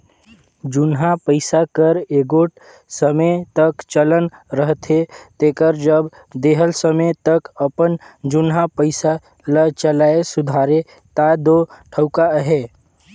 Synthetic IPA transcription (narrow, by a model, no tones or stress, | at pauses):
d͡ʒʊnɦapəɪsakəɾeːɡoːʈ | səmət̪əkt͡ʃələnɾəɦt̪ʰet̪eːkəɾd͡ʒəb | d̪eːɦəlsəmət̪əkəpənd͡ʒʊnɦapəɪsa | lət͡ʃəlaːesʊd̪ʱaːɾe | t̪ad̪oʈʰəʊkaɦeː